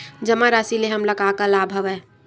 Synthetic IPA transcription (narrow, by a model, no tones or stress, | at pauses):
d͡ʒəmaɾasileɦəmləɡakəlaːbʱɦəʋɛ